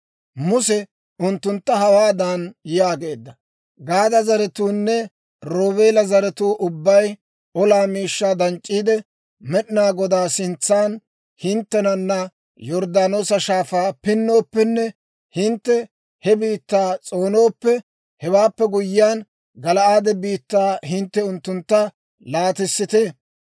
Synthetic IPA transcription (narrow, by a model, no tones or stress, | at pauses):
mʊsɛ | ʊnt̪ːʊnt̪ːɐhɐwaːd̪aːnjjaːɡe̞ːd̪ːɐ | ɡaːd̪ɐzɐɾɛt̪uːnːɛ | ɾo̞ːβe̞ːlɐzɐɾɛt̪uːʔʊbːɐj | ɔlaːmiːʃːaːd̪ɐnt͡ʃʼːiːd̪ɛ | mɛɗɪnaːɡɔd̪aːsɪnt͡sːaːn | hɪnt̪ːɛnɐnːɐ | jɔɾd̪aːnoːsɐʃaːfaːpɪnːo̞ːpːɛnːɛ | hɪnt̪ːɛ | hɛbiːt̪ːaːt͡sʼo̞ːno̞ːpːɛ | hɛwaːpːɛɡʊjːɪaːn | ɡɐlɐʔaːd̪ɛbiːt̪ːaːɦɪnt̪ːɛʊnt̪ːʊnt̪ːɐ | laːt̪ɪsːɪt̪eː